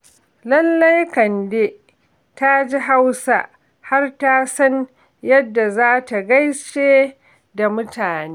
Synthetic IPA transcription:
lɐ˦lːɐ˦jkɐ˨nde˦ | ta˦d͡ʒi˦ɦa˦wsa̰˦ʔ | ha˦rta˦sɐ˦n | jɐ˦dːa˨zaː˦ta˨ɡɐ˦jt͡ʃeː˦ | da˨mʊ˦tʰaː˨neː˦

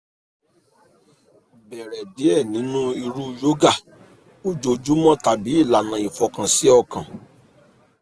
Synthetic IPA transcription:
bɛ˨ɾɛ˨di˨˦ɛ˦˨nĩ˨˦nũ˦i˧ɾu˦jo˦ɡa˦˨ | o˦d͡ʒo˧d͡ʒu˦mɔ̃˦ta˨bi˨˦i˦˨la˨nã˨ĩ˨fɔ˨˧kã˧si˨˦ɔ˦˨kã˨

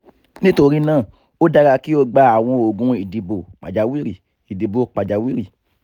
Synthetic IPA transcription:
nĩ˦to˧ɾi˦nãː˦˨ | o˦da˧ɾa˧ki˦o˧ɡ͡ba˧˦a˨w̃ɔ̃˧o˨ɡũ˨˧i˨di˨bo˨k͡pa̰˨d͡ʒa˨wi˦ɾi˦˨ | i˨di˨bo˨k͡pa˨d͡ʒa˨wi˦ɾi˦˨

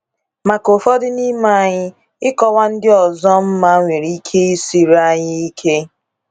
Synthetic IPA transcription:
ma˨ko˨fɔ˦dɪ˦ni˦ma˦˨ɲɪ˦ | ɪ˦kɔ˦wa˦n̩˦dɪ˦ɔ˨zɔ˦m̩˦ma˦ŋʷe˨ɾi˦kʰe˦i˦si˨ɾa˦ɲɪ˦i˦kʰe˦

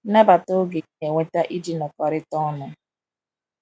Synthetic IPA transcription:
na˦ba˨to˦ɡe˨˦e˨ŋʷe˦ta˦ʔi˦di˦nɔ˨kɔ˨ɾɪ˦tɔ˦nʊ˨

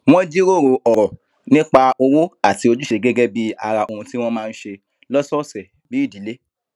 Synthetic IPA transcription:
w̃ɔ̃˦d͡ʒi˦ɾo˦˨ɾo˧ʔɔ˨ɾɔ˨ | nĩ˦k͡pa˧o˧wo˦a˦˨ti˨˧o˧d͡ʒu˦ʃe˧ɡɛ˦ɡe˦bi˦a̰˧ɾa˧ʔo˧ɾũ˧ti˦w̃ɔ̃˦mãː˦˧n̩˦ʃe˧ | lɔ˦sɔ˦˨sɛ˨ | bi˨˦i˦˨di˨˦le˦

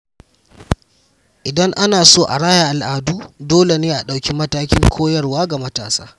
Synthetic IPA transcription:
ʔɪ˨dɐ˦ŋʔa˦naː˨soː˦˨ʔa̰˨ɽaː˦ja˨ʔa˨lʔaː˨duː˦doː˦le˨neː˦ʔa˨ɗa˨wkʲi˦mɐ˦taː˦kʲɪ˦ŋkʷʰoː˦jɐ˦rwaː˦ɡa˨mɐ˦ta̰ː˨sa̰ː˦

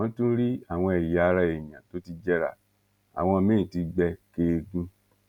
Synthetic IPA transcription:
ɔ̃˧˦tũ˦ɾi˦a˦˨w̃ɔ̃˧e˨ja˧ɾa˧e˨jã˨to˨˦ti˧d͡ʒɛ˦ɾa̰˦˨ | a̰˨w̃ɔ̃˧mẽ˦ĩ˨ti˧ɡ͡bɛ˧ke˧ɡũ˧

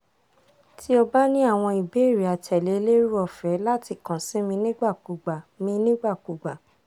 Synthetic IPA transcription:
tʰi˦ɔ˧ba˦nĩ˦a˦˨w̃ɔ̃˧i˨be˨˦˨ɾi˨a˨tɛ˨le˨˦le˦ɾu˦ɔ˧˨fɛ˨˦la˦ti˧˨kã˨sĩ˦mĩ˧nĩ˦ɡ͡ba˦˨ku˨ɡ͡ba˨mĩ˧˦nĩ˦ɡ͡ba˦˨ku˨ɡ͡ba˨

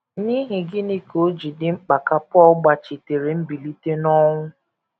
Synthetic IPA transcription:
ni˦ɦi˨ɡɪ˦ni˦ko˨˦d͡ʒi˨dɪ˦ŋ͡m̩˦k͡pa˨ka˦pʊ˦ɔ˦ɡ͡ba˨t͡ʃi˨te˨ɾe˨m̩˦bi˨li˦te˦nɔ˦ŋʷʊ˦

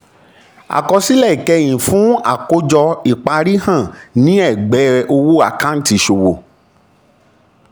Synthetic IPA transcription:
a̰˨kɔ˧si˦lɛ˦˨i˨kɛ˧j̃ĩ˨fũ˦a̰˦˨ko˨˦d͡ʒɔ˧i˨k͡pa˧ɾi˦hã˦˨nĩ˦ɛ˦˨ɡ͡bɛ˨˦ɾɛ˧ʔo˧wo˦a̰˨kã˦n̩˦ti˧ʃo˨wo˨

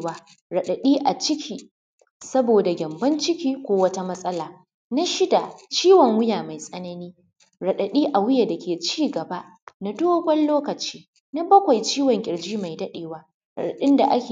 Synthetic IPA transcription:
waː˦ | ɽɐ˨ɗɐ˨ɗiː˦ʔa˨t͡ʃɪ˦kʲʰiː˨ | sɐ˦boː˨da˨ɡʲɐ˨mbɐ˦nt͡ʃɪ˦kʲiː˦kʷoː˦wɐ˦ta˦mɐ˦sʼɐ˦laː˨ | na˦ʃɪ˦da˨t͡ʃiː˦wɔ˨ŋwʊ˦jaː˨ma˨jsʼɐ˦nɐ˦niː˦ | ɽɐ˨ɗɐ˨ɗiː˦ʔa˨wʊ˦ja˨da˨kʲʰeː˨t͡ʃiː˦ɡɐ˨ba˦ʔ | na˨doː˦bɐ˦nloː˦kɐ˨t͡ʃiː˦ | na˦bɐ˦kʷa˨jt͡ʃiː˦wɔ˨ŋkʲʼɪ˨ɽd͡ʒiː˦ma˨jdɐ˦ɗeː˨waː˦ | ɾɐ̰˨ɗɐ˨ɗɪ˦nda˨ʔa˦kʲe˨

